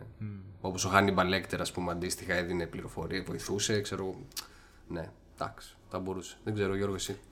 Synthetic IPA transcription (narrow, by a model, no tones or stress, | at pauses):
eo̞po̞soxɐnibɐle̞kt̪eɾɐspumeɐnd̪ist̪ixɐeðine̞pliɾo̞fo̞ɾiɐvo̞iθuse̞kse̞ɾoɣo | ne̞ | d̪̥ɐ̰ksi̥θɐbo̞ɾuse̥ðeŋɡze̞ɾoːʝo̞ɾɣosi